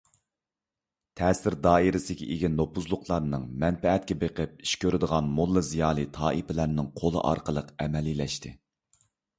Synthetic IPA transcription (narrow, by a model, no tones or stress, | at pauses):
t̪ʰɛːsɪɾd̪ɑːiɾɪsɪɡʲɛʔiɡʲinopʰuzlˠʊqʰlˠɑɾnɨŋmɛnpɛɛt̪̚kʲɛbeqʰɨp̚i̥ʃkʲøɾɪd̪əʁɑnmulˠːɨzijɑːlˠɨt̪ʰɑːʔipɪlæɾnɨŋqʰolˠə̰ʔɑ̰ɾqəlˠəqɛmɛlːilɛʃt̪ʰɪ